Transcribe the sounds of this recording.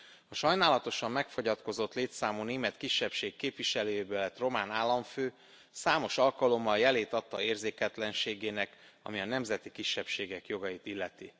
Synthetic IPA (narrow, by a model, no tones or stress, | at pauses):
ɒʃɒjnaːlɒt̪o̞ʃɒmːɛkfo̞ɟɒt̪ko̞zo̞t̪leːt̪saːmuːneːmɛt̪kiʃːɛpʃeːkːeːpʋiʃɛløːjeːbølːɛt̪ro̞maːnaːlːɒɱføː | saːmo̞ʃɒlkɒlo̞mːɒljɛleːt̪ɒt̪ːɒeːrzeːkɛt̪lɛnʃeːɡeːnɛk | ɒ̰miɒnɛmzɛt̪ikiʃːɛpʃeːɡɛkjo̞ɡɒjit̪ilːɛt̪i